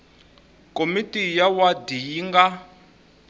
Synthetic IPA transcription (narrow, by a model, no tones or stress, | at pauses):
komitijawadijiŋɡa